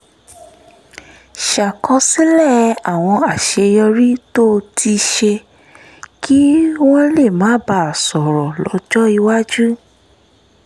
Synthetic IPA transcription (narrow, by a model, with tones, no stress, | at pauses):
ʃa˨kɔ˧si˦lɛ˦˨a˨w̃ɔ̃˧a˨ʃe˧jɔ˧ɾi˦to˦˧tʰi˧ʃe˧ | ki˦w̃ɔ̃˦le˦˨mãː˨˦ba˧˨sɔ˨ɾɔ˨lɔ˨˦d͡ʒɔ˦i˧wa˦d͡ʒu˦